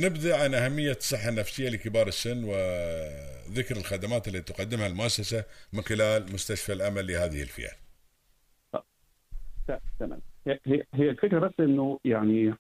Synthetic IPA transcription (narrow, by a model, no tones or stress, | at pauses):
nɪbd̪aʕanʔahamːɪjːasˤɨħːanːafsɪjːalɪkɪbɑːɾˤɪsːɪnːwɪ | ðɪkɾɪlxad̪amaːt̪ɪlːat̪it̪ʊqɑd̪ːɪmhalmʊʔasːasamɪnxɪlaːlmʊst̪aʃfalʔamalːɪhaːðɪhɪ̰lfɪ̰ʔa̰l | tat̪ama̰lhhɪɦɪːalfɪkɾɑsʔɪnːʊjaʕni